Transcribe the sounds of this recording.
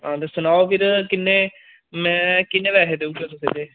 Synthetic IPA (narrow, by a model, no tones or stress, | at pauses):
ɦãːd̪esʊnaːopʰɪɾkɪnːeː | mɛ̃ːkɪnːeːʋɛːɦeːd̪eud͡ʒoːt̪əsḛːd̪eː